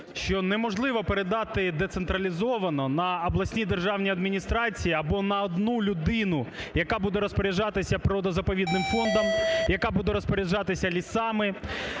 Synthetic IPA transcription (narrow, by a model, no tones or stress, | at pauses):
ʃt͡ʃɔnɛmɔʒlˠɪʋɔpeɾed̪ɑt̪ɪd̪et̪sent̪ɾɐlʲizɔʋɐnɔnɐːblˠɐsʲnʲid̪erʒɑwnʲiɐd̪mʲinʲist̪ɾɑt͡sʲijiɐbɔnɐɔd̪nulʲʊd̪ɪnʊjɐkɑbud̪ɛɾɔspɔɾʲɛʒɑt̪ɪsʲɐpɾɔd̪ɔzɐpɔʋʲid̪nɪmfɔnd̪ɐmjɐkɑbud̪ɛɾɔspɔɾʲiʒɑt̪ɪsʲɐlʲisɑmɪ